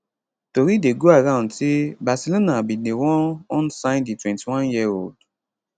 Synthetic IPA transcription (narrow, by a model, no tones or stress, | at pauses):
toɾideɡoaɾãʊ̃ntibasilonabinewɔ̃ɔnsãnditwɛ̃ntiwɔ̃njiold